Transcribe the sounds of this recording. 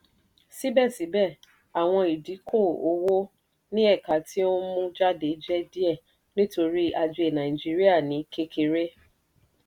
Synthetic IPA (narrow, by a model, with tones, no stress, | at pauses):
si˦bɛ˦˨si˨˦bɛ˦˨ | a˨w̃ɔ̃˧i˨di˨˦kʰo˦˨o˧wo˦ | nĩ˦ɛ˦˨ka˨ti˦o˦mũ˦d͡ʒa˦de˨˦d͡ʒɛ˦di˦ɛ˦˨ | nĩ˦to˧ɾi˦a˧d͡ʒe˧˦e˨nã˨ĩ˨d͡ʒi˦ɾi˦a˦˨nĩ˨˦ke˧ke˧ɾe˦